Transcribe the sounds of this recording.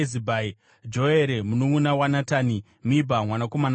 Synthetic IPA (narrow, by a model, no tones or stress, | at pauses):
zibʱai | d͡ʒo̞eɾemunoŋunawanataːni | mibʱamwanako̞man